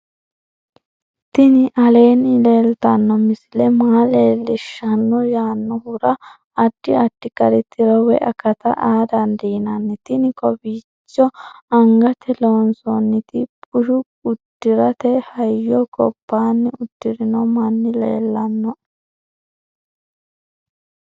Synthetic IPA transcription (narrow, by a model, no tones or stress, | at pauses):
t̪ɪnɪʔɐle̞ːnːɪleːlt̪ɐnːɔmɪsɪlɛmaːleːlːɪʃɐnːɔjaːnːɔhʊɾɐː | d̥ːɪɐd̥ːɪkɐɾɛt̪ːɪɾɔwɛ̰ʔɐkɐt̪ɐ̰ʔaːd̪ɐnd̪iːnɐnːɛt̪ɪnɪkɔbiː | t͡ʃːɔɐŋɡɐt̪ɛloːnsɔnːɪt̪ɪbʊʃʊ | ʊd̥ːɪɾɐt̪ɛhɐjːɔkɔ̰pːaːnːɪʊd̪̥ːɪɾɪnɔmɐnːɪlḛːlːɐnːɔ